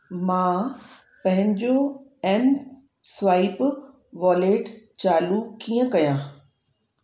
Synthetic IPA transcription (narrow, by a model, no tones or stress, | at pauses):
mãː | pɐ̃ɦɪ̃ɲd͡ʑoɛn | sʋaːɪp | ʋaːleːʈt͡ɕaːlukiːə̃kɐjãː